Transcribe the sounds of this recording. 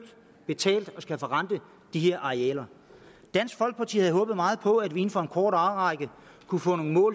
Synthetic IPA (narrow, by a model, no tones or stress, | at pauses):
d̥ | b̥e̝t͡sʰɛ̰ːld̥ɒ̽sɡ̥æfɒ̽ʁɑ̈nd̥ə | d̥ihe̝ɐ̰ʔɑ̈eɛ̰ːlɐ | d̥æn̰sɡ̥fɒ̽lɡ̥̚pʰɑ̈t͡sʰḭːhæð̩ˠɦɔ̽ːb̥ð̩ˠmɑ̈ːð̞̩ˠpʰɒ̽æd̥ʋie̝n̩fɒ̽e̝nkʰɒːɾ̥ɑ̈ʊʁɑ̈ɪɡ̥ə | kʰufɔ̰̽ːno̝ːn̩mɔ̰̽ːl